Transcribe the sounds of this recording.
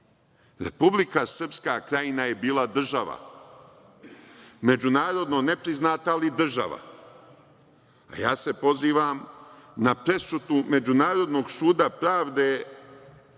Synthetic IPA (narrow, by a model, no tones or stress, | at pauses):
ɾḛpublikasər̩pskakɾajinaje̞biːlˠad̪r̩ʒaʋa̰ | me̞d͡ʑunaːɾo̞d̪no̞ne̞pɾiznaːt̪aːlid̪r̩ʒa̰ʋa̰ | a̰jaːse̞po̞ziːʋamnapɾe̞sut̪ume̞d͡ʒunaːɾo̞d̪no̞ːɡsuːd̪apɾaːʋd̪eː